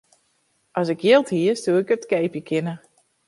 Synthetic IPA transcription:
ʔɔsɪkjɪːlˠthiəstuəɪkətkeːpjəkʰɪnə

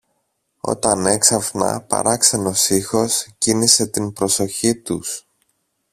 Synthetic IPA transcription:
o̞̰t̪ɐne̞ksɐfnɐ̰pɐ̰ɾɐksɐno̞sixo̞scinise̞t̪impɾo̞so̞çit̪us

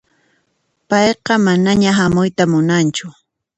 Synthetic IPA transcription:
pɑjqɑmanaɲaɦamʊjt̪amʊnant͡ʃʊ

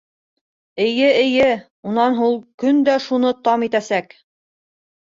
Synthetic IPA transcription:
ɘ̆jɘɘ̆jɘ | unɑnɦulˠkɵnd̪æʃunɤt̪ɑmit̪æsæk

